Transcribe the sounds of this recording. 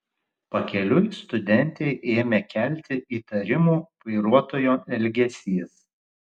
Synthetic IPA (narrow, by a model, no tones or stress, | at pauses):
pɐkʲɛlʲʊst̪ʊd̪ʲɛnʲt̪ʲɛɪʔeːmʲekʲæˑlʲt̪ʲɪʔiːt̪ɐɾʲɪmuːʋɐɪɾuɔt̪oːjoːɛlʲɡʲɛsʲiːs